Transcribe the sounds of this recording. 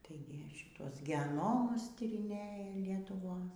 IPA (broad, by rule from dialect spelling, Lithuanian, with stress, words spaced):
ˈtɐɪɡʲɪ ʃʲɪˈtuɔs ɡʲɛˈnoːmʊs tʲiːrʲɪˈnʲeːjɛ lʲiɛtʊˈʋoːs